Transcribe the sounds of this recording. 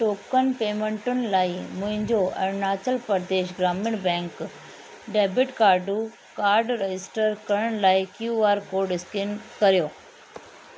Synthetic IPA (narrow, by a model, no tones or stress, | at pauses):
ʈoːkənpeːmẽɳʈʊnɪ̆laːimʊ̃ɦɪ̃ɲd͡ʑoʔɐ̰naːt͡ɕəlpɐɾd̪eːʃɡɾaːmɪɽbɛ̃ːŋk | ɖeːbɪʈkaːɾɖu | kaːɾɖɾed͡ʑɪsʈəɾkɐɾəɽ̃laːikjuːaːɾkoːɾɖɪskɪnkɐɾijoː